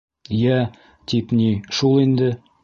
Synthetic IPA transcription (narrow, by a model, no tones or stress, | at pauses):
jæ | t̪ipniʃulˠind̪ɘ